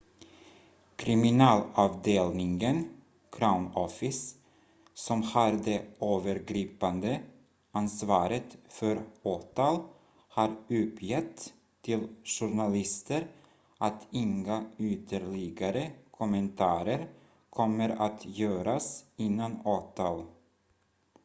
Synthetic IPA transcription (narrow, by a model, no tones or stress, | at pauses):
kʰɾɪmɪnɑːlɑːvd̪eːlnɪŋən | kʰɾaʊnɔfɪs | sɔmhaɾd̪ɛøːvəɾɡɾiːpand̪ə | ansvɑːɾət̪fœɾoːt̪ɑl | haɾʉɵpʰjɛt̪ʰː | ɪlʂʊɳalɪst̪əɾ | ʔat̪ʰɪŋaʏt̪ʰəɾɭɪɡaɾəkʰɔmənt̪ʰɑːɾəɾ | kʰɔmːəɾat̪jœːɾasɪnːanoːt̪ʰɑːl